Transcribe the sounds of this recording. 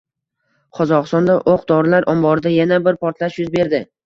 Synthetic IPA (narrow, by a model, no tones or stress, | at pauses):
qʰɒzɒqɨst̪ɒnd̪aʔoqd̪ɒɾɪlaɾʔɒmbɒɾɪd̪ajanabɪɾpʰɒɾt̪ʰlaʃjʊzbe̞ɾd̪ɪ